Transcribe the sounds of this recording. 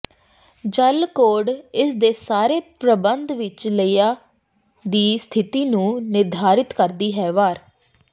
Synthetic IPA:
d͡ʒəlkoːɖɪsd̪eːsaːɾeːpɾəbənd̪ʋɪt͡ʃləiːjaː | d̪iːst̪ʰɪt̪iːnũːnɪɾd̪ʱaːɾɪt̪kəɾd̪iːɦɛːʋaːɾ

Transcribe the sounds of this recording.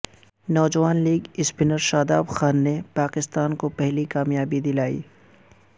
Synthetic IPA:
nɔːd͡ʒəʋaːnliːɡɪspɪnəɾʃaːd̪aːbxaːnːepaːkɪst̪aːnkopɛɦlikaːmjaːbid̪ɪlaːḭː

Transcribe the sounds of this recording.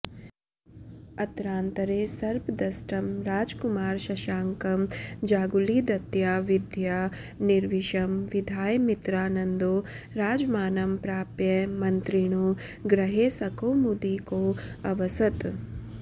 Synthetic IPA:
ɐt̪ɾaːnt̪ɐɾeːsɐɾpd̪ɐsʈɐmɾaːd͡ʒkumaːɾʃɐʃaːŋkɐmd͡ʒaːɡulid̪ɐt̪jaːʋid̪ʱjaniɾʋiʃɐmʋid̪ʱaːjmit̪ɾaːnɐnd̪oː | ɾaːd͡ʒmaːnɐmpɾaːpjɐmɐnt̪ɾiɳ̃oːɡɾɐɦeːsɐkoːmud̪iːkoːɐʋɐsɐt̪

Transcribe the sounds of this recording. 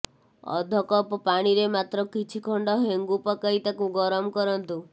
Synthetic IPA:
ɔ̰d̪ʱɔkɔpɔpaɽ̃iɾemat̪ɾɔkit͡ʃʰikʰɔɳɖɔɦeŋɡupɔkait̪akũɡɔɾɔmkɔɾɔnt̪u

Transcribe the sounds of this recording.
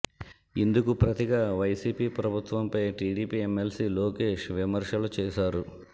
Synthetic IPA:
ind̪ukupɾɐt̪iɡaːʋɐjsiːpiːpɾɐbʱut̪ʋɐmpɐjʈiːɽiːpiːemːelsiːloːke̞ːʃʋimɐɾʂɐlut͡ʃɛːʃaːɾu

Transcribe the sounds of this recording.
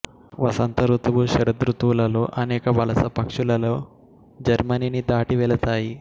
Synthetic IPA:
ʋɐsɐnt̪ɐɾut̪ɐbuʃiɾɐd̪ɾut̪ʋulɐlo̞ːʔɐnɛːkɐʋɐlɐsɐpɐkʂulɐlo̞ː | d͡ʒɐɾmɐninid̪aːʈiʋɛlɐt̪aːji

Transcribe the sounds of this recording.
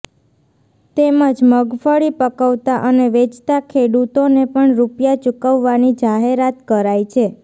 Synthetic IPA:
t̪eməd͡ʒməɡfəɭipəkəʋt̪aʔəneʋet͡ʃt̪akʰeɽut̪onepəɳɾupjat͡ʃukəʋːanid͡ʒaɦeɾat̪kəɾajt͡ʃʰe

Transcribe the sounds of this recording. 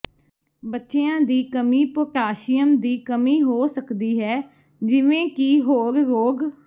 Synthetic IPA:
bətːʃeːãːd̪iːkəmiːpoːʈaːʃɪjəmd̪iːkəmiːɦoːsəkd̪iːɦɛː | d͡ʒɪʋẽːkiːɦoːɾːoːɡ

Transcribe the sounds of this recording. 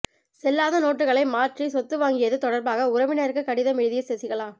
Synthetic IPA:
sɛlːaːðɐnoːʈrɯɣɐɭɐɪmaːʈrisɔt̪ːɯʋaːŋɡɪjɐðɯt̪ɔɽɐɾbaːɣɐʊɾɐʋɪnɐɾɯkːɯkːɐɽɪðɐmɪɻɯðɪjɐsɛsɪɣɐɭaː

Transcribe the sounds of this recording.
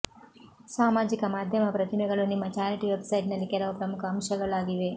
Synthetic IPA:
saːmaːd͡ʒikɐmaːd̪ʱjɐmɐpɾɐt̪imɛɡɐɭunimːɐt͡ʃaːɾɐʈiʋebsɐjʈnɐlːikɛlɐʋɐpɾɐmukʰɐɦɐmʃɐɡɐɭaːɡiʋe̞

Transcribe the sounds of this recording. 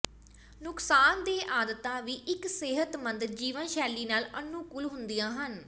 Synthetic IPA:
nʊksaːnd̪eːʔaːd̪ət̪ãːʋiːʔɪkseɦət̪mə̃nd̪d͡ʒiːʋənʃɛːliːnaːlənuːkʊlɦʊnd̪ijãːɦən

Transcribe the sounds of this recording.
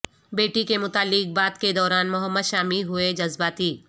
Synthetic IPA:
beːʈikemʊt̪aːlːɪk̚baːd̪ked̪ɔːɾaːnmʊɦəmːəd̪ʃaːmiɦʊed͡ʒɐzbaːt̪iː

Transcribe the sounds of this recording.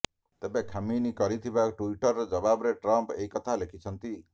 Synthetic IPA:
t̪ebekʰaminikɔɾit̪ʰibakʈuiʈɔɾːɔd͡ʒɔbabɔɾeʈɾɔmpeɦikɔt̪ʰalekʰit͡ʃʰɔnt̪i

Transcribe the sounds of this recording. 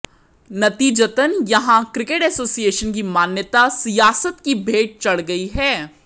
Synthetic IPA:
nɐt̪iːd͡ʒət̪ənjɐɦãkɾɪkeʈɛːsoːsieːʃənk̬imaːnjət̪asijaːsət̪kibʱeːʈ̚t͡ʃɐɭɡɐiɦɛː

